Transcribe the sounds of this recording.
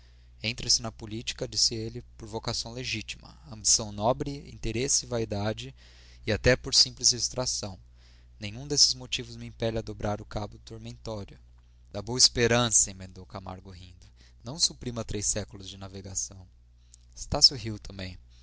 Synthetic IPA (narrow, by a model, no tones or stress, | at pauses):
ẽnt̪ɾɐsɪnɐpolit͡ʃi̥kɐd͡ʒisɪelɪpoɾvokasɐ̃w̃leʒit͡ʃimɐ̰ɐ̃mbisɐ̃w̃nɔbɾɪḭ̃nt̪eɾesɪvaid̪ad͡ʒɪ | ɪat̪ɛpoɾsĩplɪzd͡ʒɪst̪ɾasɐ̃w̃ | nẽɲ̃ũd̪esɪ̥zmot͡ʃivʊzmiĩpɛlɐd̪obɾʔaɾʊkabʊd̪ʊt̪oɾmẽnt̪ɔɾjʊ | d̪̥aboɐispeɾɐ̃sɐĩmẽnd̪owkama̰ɾɡʊɦĩnd̪ʊ | nɐ̃w̃supɾĩmɐt̪ɾejsɛkʊlʊzd͡ʒɪnaveɡasɐ̃w̃ | ɪst̪asuɦiwt̪ɐ̃mbẽj̃